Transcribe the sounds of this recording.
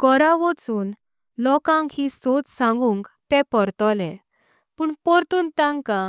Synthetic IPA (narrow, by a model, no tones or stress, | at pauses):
ɡɔɾaʋɔt͡suːn | lɔkãŋkhisot͡ssãŋɡũŋkt̪ɛpɔɾt̪ɔlɛ̃ | puːɳpɔɾt̪uːnt̪ãŋka